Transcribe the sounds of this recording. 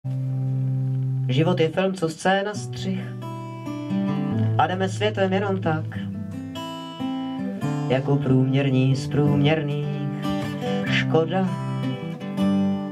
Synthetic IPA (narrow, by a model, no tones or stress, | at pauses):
ʒɪvot̪jɛfɪlmt͡sost͡sɛːnast̪r̝̥ɪx | ʔadɛmɛsvjɛt̪vɛmjɛno̞mt̪ak | jakopɾuːmɲɛɾɲiːspɾuːmɲɛɾniː | ʃkoda